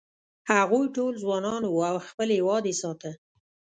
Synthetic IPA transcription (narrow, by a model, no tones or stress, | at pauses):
haɣujʈolzwɑnɑnwuawxpəlwɑd̪esɑt̪ə